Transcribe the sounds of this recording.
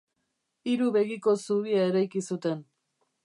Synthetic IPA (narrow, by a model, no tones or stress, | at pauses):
iɾuβe̞ɣiko̞suβiae̞ɾajkisut̪e̞n